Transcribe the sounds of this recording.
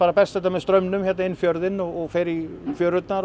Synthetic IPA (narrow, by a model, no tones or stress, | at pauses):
aːɾapʰɛst̪ɛt̪ːamɛðst̪ɾœmnʏmçɛt̪naɪnfjœɾðɪnɔɣɔɣfɛɾifjœɾʏt̪naɾ